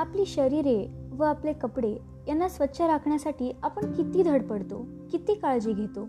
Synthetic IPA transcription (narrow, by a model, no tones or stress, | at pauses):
apliːɕəɾiːɾeʋəaplekəpɽe | janːasʋətːɕʰaɾakʰɳjasaʈiːapəɳkit̪iːd̪ʱəɽpəɽt̪o̰ | kit̪iːkaɭd͡ʑiːɡʱet̪o